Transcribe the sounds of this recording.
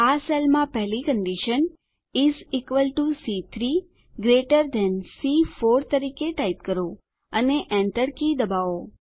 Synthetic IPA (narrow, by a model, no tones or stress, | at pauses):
aselmãpɛɦlikə̃ɳɖiʃən | izikʋəlʈusit̪ʰɾi | ɡɾeʈəɾd̪ɛ̃nsifoɾt̪əɾikeʈajp̚kəɾo | əneʔɛ̃ɳʈəɽkid̪əbaʋo